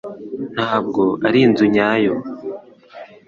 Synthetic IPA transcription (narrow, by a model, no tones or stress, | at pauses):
n̥haːb̚ɡo̞aɾiːnzuɲaːjo